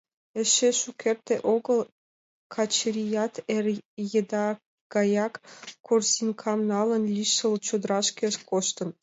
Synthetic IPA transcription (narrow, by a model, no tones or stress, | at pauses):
ĕʃeʃukʰert̪eʔoɣə̆l | kʰɑt͡ɕəɾʲijɑt̪erjĕd̪ɑ | ɡ̥ɑjɑkːorsinʲkʰɑmnɑlə̆nlʲiʃə̆lt͡ɕod̪əɾɑʃkʲĕʃkoʃt̪ə̆n